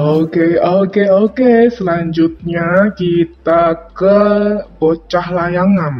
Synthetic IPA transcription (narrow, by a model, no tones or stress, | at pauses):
okeokeokesəlaɲd͡ʒʊt̪̚ɲakit̪akəpot͡ʃahlajaŋan